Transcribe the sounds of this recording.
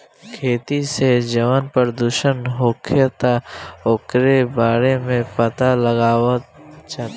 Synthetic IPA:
kʰeːt̪ised͡ʒəʋənpəɾd̪uːʃənɦoːkʰjət̪aoːkɾebaːɾemẽpət̪aləɡaːwət̪t͡ʃa

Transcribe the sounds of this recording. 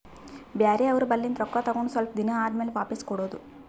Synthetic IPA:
bjaːɾeɐʋɐɾubɐlːind̪ɾɔkːat̪ɐɡoɳɖusʋɐlpɐd̪inɐaːdmeːleʋaːpɐskɔɽoːd̪u

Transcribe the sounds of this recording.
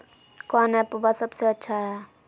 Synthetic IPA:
kɔːnɛpubasəbseɐtːʃʰaɦɛ

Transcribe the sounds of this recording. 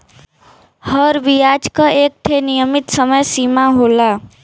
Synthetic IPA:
həɾbijad͡ʒkaʔeːk̚ʈ̪ʰenijəmɪt̪səməjsimaɦola

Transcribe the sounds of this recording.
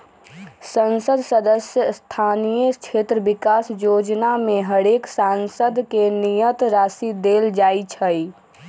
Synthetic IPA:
sənsəd̪səd̪əsjəst̪ʰanijət͡ʃʰet̪ɾəbikasjod͡ʒnamẽɦəɽeksansəd̪kenijət̪ɾaːsid̪eld͡ʒait͡ʃʰəi

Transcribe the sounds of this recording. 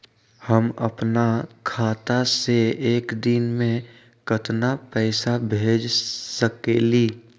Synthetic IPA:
həmə̰pnakʰaːt̪aseeːkd̪inmẽ | kət̪napɛɪsabʱeːd͡ʒsəkeliː

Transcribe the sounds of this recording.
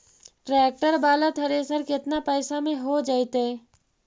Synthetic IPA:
ʈɾɛːk̚ʈəɾbaːlat̪ʰɐɾesəɾkɪt̪napɛːsamẽɦod͡ʒaːit̪ɦɛː

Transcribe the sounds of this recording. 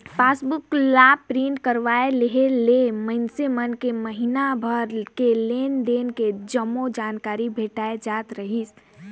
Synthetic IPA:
paːsbʊklaːb̚pɾiɳʈkəɾʋaeleɦeleməɪnsemənkeməɦinabʱəɾkeleːnd̪eːnked͡ʒəmod͡ʒaːnkaːɾibʱeːʈaːed͡ʒaːt̪ɾəɦis

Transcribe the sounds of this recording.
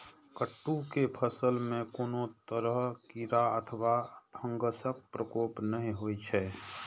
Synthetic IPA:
kəʈːukepʰəsəlmẽkoːnot̪əɾəɦkiɾaət̪ʰəʋabʱə̃ŋɡəsək̚pɾəkoːpnəɦĩɦoit͡ʃʰɛː

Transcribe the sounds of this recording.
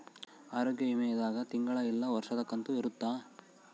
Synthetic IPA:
aːɾoːɡjɐɦimɐjɐd̪aːɡɐt̪iŋɡɐɭɐilːɐʋɐɾʂɐt̪ɐkːɐnt̪uiɾut̪ːaː

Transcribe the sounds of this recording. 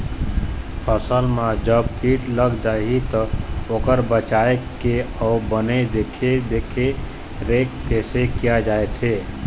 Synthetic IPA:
pʰəsəlmad͡ʒəb̚kiʈləɡd͡ʒajɦit̪əokəɾbət͡ʃaekeɔbəned̪ekʰed̪ekʰe | ɾekːesekijad͡ʒaet̪ʰe

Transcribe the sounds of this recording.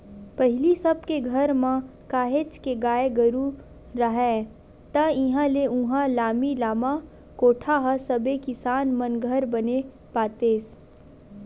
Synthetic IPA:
pəɦɪlisɐb̚keɡʱɐɾmãkaːɦeːt͡ʃkeɡaːeɡɐɾu | ɾɐɦɛː | t̪ɐɪɦãleʊ̃ɦãlaːmilaːma | koːʈʰaɦɐsɐbekɪsaːnmɐnɡʱəɾbɐne | paːt̪eːs

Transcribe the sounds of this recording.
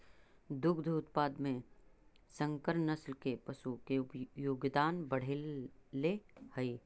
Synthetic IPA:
d̪ʊkd̪ʱuʊt̪̚paːd̪mẽ | sə̃ŋkəɾnɐslkepɐʃukejoɡd̪aːnbɐɽ̤ellehəi

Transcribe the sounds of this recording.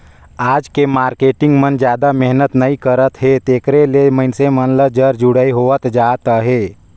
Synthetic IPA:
aːd͡ʒkemaːɾkeːʈɪ̃ŋɡmənd͡ʒjaːd̪amɛɦnət̪nəikəɾət̪ɦet̪eːkɾeleməɪnsemənləd͡ʒəɾd͡ʒuɽəiɦoət̪d͡ʒaːt̪əɦe

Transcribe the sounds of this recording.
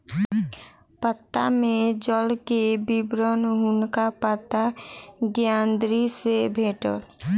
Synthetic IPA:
pət̪ːa̰mẽd͡ʒɔlkebibɾənɦʊnkapət̪ːaɡjaːnd̪ɾisebʱeːʈə̰ɾ

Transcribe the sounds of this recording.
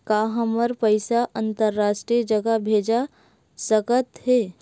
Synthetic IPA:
kaːɦɐməɾpəɪsaʔɐ̃nt̪əɾːaːʃʈɾiəd͡ʒɐɡabʱeːd͡ʒa | səkət̪ɦɛː

